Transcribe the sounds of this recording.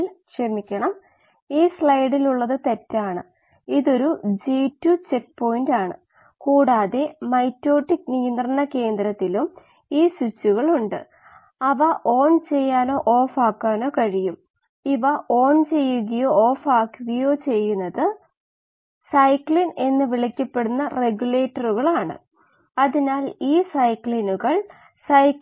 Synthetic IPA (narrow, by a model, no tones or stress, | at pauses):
lʂemikʲːɐɳɐm | iːsɭɐjɽiluɭːɐðɨt̪e̞tːaːɳɨ | iðo̞ɾud͡ʑiːtːut͡ɕe̞k̚po̞jindaːɳɨ̰ | kuːɽaːðe̞mɐjtːo̞ːʈːiknijind̪rɐnːɐke̞ːnd̪ɾɐt̪ːilum | iːswut͡ɕːuɣɐɭuɳɖɨ̰ | ɐʋɐʔo̞ːɳt͡ɕe̞jːaːno̞ːʔoːfaːkːaːno̞ːkɐɻijum | iʋɐʔo̞ːɳt͡ɕe̞jːuɣɐjo̞ːoːfaːkːuɣɐjo̞ːt͡ɕe̞jːunːɐðɨ | sɐjkɭine̞nːɨʋiɭikʲːɐpːe̞ɽunːɐreɡjuleːʈːɐruɣɐɭaːɳɨ̰ | ɐðinaːliːsɐjkɭinuɣɐɭ | sɐj